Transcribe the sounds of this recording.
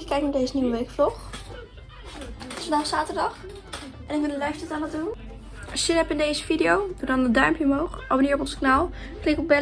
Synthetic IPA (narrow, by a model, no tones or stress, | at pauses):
əkɛjk̚naːɹdeɪjzəniwəʋejkflɔχ | fəndɑχxsaːtəɹdɑχ | ʔɛnɪkʋɪndəlɛɥstɛtaːnədun | ɑʃɪnɛpɪndejzəfidiowdudɑnədœɥmpjəmowχʔabəniːɹɔpɔ̃nzəknaːlˠklɪkɔb̚bɛ